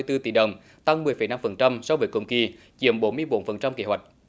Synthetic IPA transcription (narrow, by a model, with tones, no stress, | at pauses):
əjt̪ɨ˧t̪i˨˩ɗə˨˩wŋ͡m | t̪a˧ŋmɨ˨˩əjfə˨˩˦jna˧mfə˨˩nt͡ɕa˧msɔ˧wvəː˨˦jkʊ̰˧˩ŋ͡mki˨˩ | t͡ɕḭ˧˨əmɓo˨˦nmɨ˧əjɓo˨˦nfə˨˩nt͡ɕa˧mki˧˦hwa˨˩jk̟̚